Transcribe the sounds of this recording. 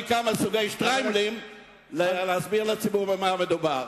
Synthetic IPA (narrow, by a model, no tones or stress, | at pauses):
kamasuɡejʃt̪ʁajmlim | leleazbiʁlet͡sibuʁvbemamed̪ubaʁ